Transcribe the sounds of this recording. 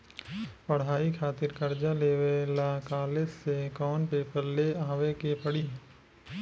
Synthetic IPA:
pɐɽ̤aːikʰaːt̪ɪɾkɐɾd͡ʒaleːʋelakaːlesːekɔːnpeːpəɾleaːʋekepəɽiɦɛ̃

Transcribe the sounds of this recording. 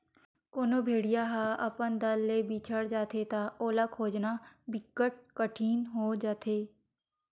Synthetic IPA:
koːnobʱeːɽijaɦaɐpənd̪əlːebiːt͡ʃʰəɽd͡ʒaːt̪ʰet̪aoːlakʰoːd͡ʒnabɪkːəʈ̚kəʈʰiːnɦod͡ʒaːt̪ʰeː

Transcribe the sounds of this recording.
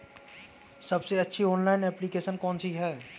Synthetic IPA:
sɐbseɐtːʃʰiɔ̃ːnlaːɪnɛːplikeːsənkɔːnsiɦɛː

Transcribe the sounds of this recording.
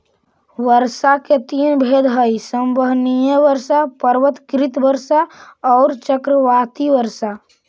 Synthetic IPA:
ʋəɾsaket̪iːnbʱed̪ɦəisəmbəɦnijəʋəɾsapəɾʋət̪kɾɪt̪bəɾsaɔːɾt͡ʃəkɾəʋat̪iʋəɾsa

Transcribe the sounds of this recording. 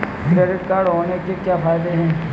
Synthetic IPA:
ɛɾɪʈkaːɾɖɦoːnekekjaːpʰaːɪd̪eɦɛ̃ː

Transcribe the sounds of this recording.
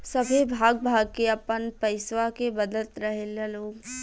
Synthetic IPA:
sɐbʱebʱaːɡ̚bʱaːɡ̚keɐpənpɐɪswakebɐd̪əlt̪ɾɐɦeleloːɡ

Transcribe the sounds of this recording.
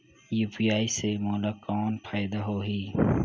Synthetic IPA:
juːpijaːisemɔːlakɔːnpʰaːɪd̪aɦoːɦiː

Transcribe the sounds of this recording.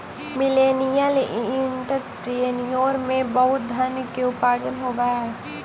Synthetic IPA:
mɪleːnijəlɪ̃ɳʈəɾpɾienijoːɾmẽbɐɦʊt̪̚d̪ʱənkiʊpaːɾd͡ʒənɦoːɡaɦɛː

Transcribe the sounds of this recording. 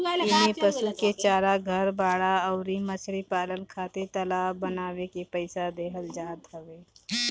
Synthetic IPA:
ɪmipəsuket͡ʃaːɾaɡʱəɾbaːɽaɔʊɾimət͡ʃʰɾipaːlənkʰaːt̪et̪əlaːbənaːwekepəɪsad̪eːɦəld͡ʒaːd̪ɦəʋeː

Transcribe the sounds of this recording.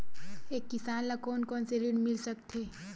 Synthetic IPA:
eːkːɪsaːnlakɔːnkɔːnseɾiɽmɪlsək̚t̪ʰeː

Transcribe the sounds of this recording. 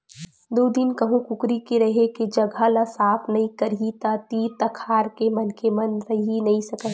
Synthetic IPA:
d̪oːd̪ɪnkɐɦũkʊkɾikiɾɐɦeked͡ʒɐɡʱalasaːpʰnɐɦĩkɐɾɦit̪at̪it̪ɐkʰaːɾkemɐnkemɐnɾɐɦinɐɦĩsɐkə

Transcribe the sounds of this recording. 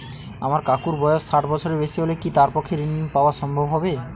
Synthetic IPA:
a̰maɾkakuɾbɔjɔssaʈbɔt͡ʃʰɔɾebesiɦolekit̪aɾpɔkʰːeɾinimpaoaʃɔmbʱɔbɦɔbe

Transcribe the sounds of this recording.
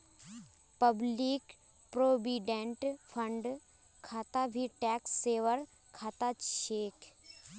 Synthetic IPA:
pəbliːk | pɾoːbiɖẽɳʈpʰəɳɖ | kʰaːt̪abʱiʈɛːksːeːʋəɾ | kʰaːt̪at͡ʃʃeːk

